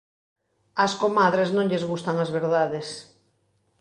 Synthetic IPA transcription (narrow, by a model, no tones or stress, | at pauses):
ɐskomaðɾeznõŋʎezɣust̪aŋazβeɾðaðes